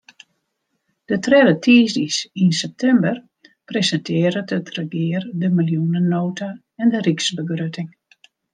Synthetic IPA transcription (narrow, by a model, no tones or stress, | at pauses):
d̥ətʰrɛdətʰiːzdisinsɛp̚tʰɛmbər | prezɛntʰɪːəɾətətrəɡɪːrdəmiljunənoːta | ɛndəriksbəɡrøtɪŋ